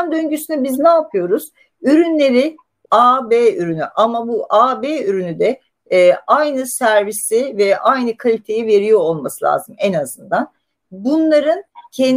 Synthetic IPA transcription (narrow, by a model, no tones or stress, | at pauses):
nd̪ønɟysynybiznɛːpʰɯjo̞ɾuz̥ | yɾynlʲeɾi | aːbeyɾynyʔamabuʔaːbeːyɾynyd̪ɛː | ajnɯsæɾvisivɛʔajnɯkʰalʲit̪ʰe̞jive̞ɾijo̞ːlˠmasɯlʲa̰ːzɯmɛnazɯnd̪an | bunlˠaɾɯncʰen